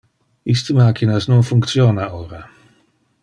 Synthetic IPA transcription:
ist̪əmaːkinasnonfuŋkt̪sjoːnaoːɾa

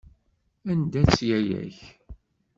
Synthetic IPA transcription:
ænd̪æθt͡sːjæjæ̰ç

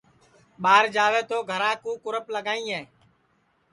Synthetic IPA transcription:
ɓaːɾd͡ʒaːʋeːt̪oːɡʱəɾãːkũːkʊɾəpləɡaːĩːɦeː

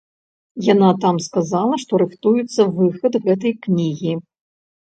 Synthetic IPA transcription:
janat̪amskazalˠɐʂt̪ɔɾɨxt̪ujut̪sːɐvɨxɐd̪ɣɛt̪̬ɐjknʲiɣʲi

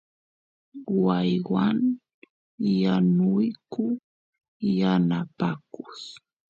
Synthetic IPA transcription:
wajwan | janʊjkʊ | janapakʊs

